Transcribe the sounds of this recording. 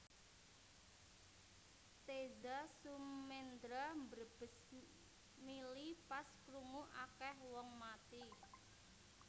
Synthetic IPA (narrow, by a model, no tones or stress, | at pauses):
t̪edasumːend̪ɾambərb̥ə̤s | milipaskɾumuʔakɛhwɔŋmat̪i